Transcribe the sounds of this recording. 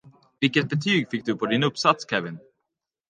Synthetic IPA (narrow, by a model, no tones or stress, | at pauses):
vɪlkət̪̚bɛt̪ʰyːɡfɪk̚ːd̪ɵpʰɔd̪ɪnɵpːsat̪skʰɛvɪn